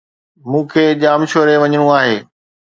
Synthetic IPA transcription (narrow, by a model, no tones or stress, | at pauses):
mũːkʰeːʄaːmʃoːɾeʋɐɲəɽ̃ũaːɦeː